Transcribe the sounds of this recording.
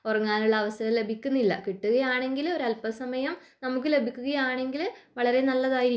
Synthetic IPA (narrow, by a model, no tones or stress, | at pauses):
orɐŋːaːnuɭːɐːʋɐsɐɾɐmle̞bʱikʲːunːilːɐ̰kiʈːuɣɐjaːɳe̞ŋɡilo̞ɾuɐlpɐsɐmɐjɐm | nɐmuk̬ːɨle̞bʱikʲːuɣɐjaːɳe̞ŋɡilʋɐɭɐɾe̞nɐlːɐðaːjiɾi